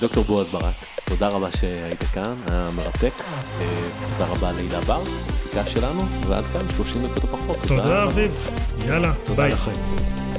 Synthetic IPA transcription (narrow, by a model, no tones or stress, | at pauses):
d̪okt̪o̞ʁboazbaʁak | t̪o̞d̪aʁabaʃeait̪akanajameʁate̞ket̪od̪aʁabaleilabaʁbikafʃelanuveʔa̰d̪kamʃloʃimd̪ekot̪opaχot̪ːotodadaviv | jalatod̪alaχaim